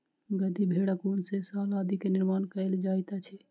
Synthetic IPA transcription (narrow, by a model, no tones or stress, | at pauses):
ɡəd̪ibʱeɽəkunsesalad̪ikeniɾmankəɪld͡ʒajt̪at͡ʃʰɛ